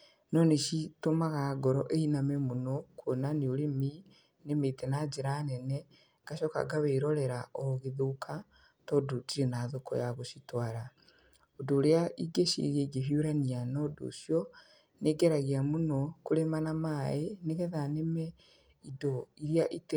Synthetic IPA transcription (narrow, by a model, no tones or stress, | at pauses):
nɔneʃitomaɣaɡɔɾɔʔeinamemunɔkwonaneoɾemi | nemetɛnad͡ʒeɾanɛnɛ | ŋɡaʃɔka̰ɡaβeiɾɔɾɛɾaʔɔɣeðokʰa | tɔdotiɾenaðokɔ̰jaɣoʃitwaːɾa | odoːɾeaʔiɡeʃḭɾjeɡeɦjuɾanianɔdo̰ʃjɔ | neɡɛɾaɣiamunɔkuɾemanamaeneɣɛðanemɛ | idɔiɾijaʔit